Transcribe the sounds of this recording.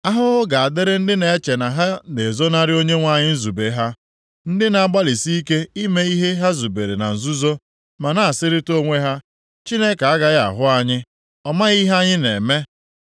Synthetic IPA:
a˦ɦʊ˦ʊ˦ɡa˨a˨dɪ˦ɾɪ˦n̩˦dɪ˦ne˨e˦t͡ʃe˨na˨ɦa˦ne˨zo˦na˦ɾɪ˦o˦ɲe˦ŋʷa˦ɲɪ˦n̩˦zu˨be˨˦ɦa˦ | n̩˦dɪ˦na˨a˨ɡ͡ba˦li˨si˦i˦ke˦i˦me˦i˦ɦe˦ɦa˦zu˨be˨ɾe˨na̰˨n̩˨zu˦zo˦ | ma˨na˨a˨sɪ˦ɾɪ˦to˦ŋʷe˦ɦa˦ | t͡ʃi˦ne˦ka˨a˦ɡa˦ɣa̰˨ɦʊ˦a˦ɲɪ˦ | ɔ˦ma˦ɣi˦ɦa˦ɲɪ˦ne˨me˦

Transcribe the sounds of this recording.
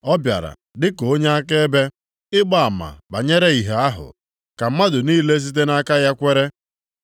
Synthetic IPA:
ɔ˦bja̰˨ɾa̰˨ | dɪ˦ko˦ɲe˦a˦ke˦e˦be˦ | ɪ˦ɡ͡ba˦a˨ma̰˨ba̰˨ɲe˦ɾe˦i˨ɦe˨a˦ɦʊ̰˨ | ka˨m̩˦ma˦dʊ˨niː˦le˦s̬i˦t̬e˦na˦ka˦ja˦kʷe˦ɾe˦

